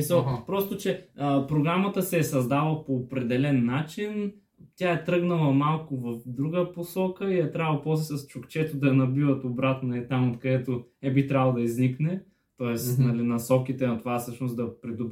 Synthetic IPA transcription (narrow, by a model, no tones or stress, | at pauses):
isəlˠpɾɔst̪ʊt͡ʃɛəpɾoɡɾamət̪əsɛːsɐzd̪avəpoːpɾɛd̪ɛlɛnːat͡ʃin | t̪ʲjaɛt̪ɾɤɡnɐlˠɐmalˠkʊvɐfd̪ɾuɡəposɔkəiɛt̪ɾavˠɐpɔslɛsɐst͡ʃʊkt͡ʃɛt̪od̪ɐnɐbivət̪obɾat̪nonɐlit̪amot̪kɐd̪ɛt̪oɛbit̪ɾʲavəlˠd̪ɐizniknɛ | t̪ɔɛsnɐlinɐsɔkit̪ɛnɐt̪ovafsɤʃnosd̪ɐpɾid̪ʊb